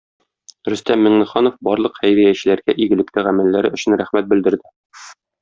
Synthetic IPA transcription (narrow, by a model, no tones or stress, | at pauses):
ɾɵ̆st̪æmːɘ̆ŋnɘ̆χɑnofbɒɾlˠɤqhæjɾæjæɕɘ̆læɾɡæʔiɡɘ̆lɘ̆kt̪ɘʁæmælːæɾɘɵ̆ɕɘ̆nɾæχmæt̪̚bɘ̆ld̪ɘ̆ɾd̪ɘ